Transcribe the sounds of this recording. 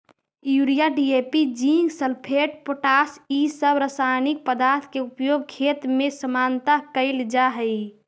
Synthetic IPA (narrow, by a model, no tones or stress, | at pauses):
juɽijaɖiepid͡ʒiŋɡsəlpʰeʈ̚poʈasisəbɾəsanik̚pəd̪aɾt̪ʰkeupjoɡ̚kʰet̪mesəmant̪akəɪld͡ʒaɦəɪ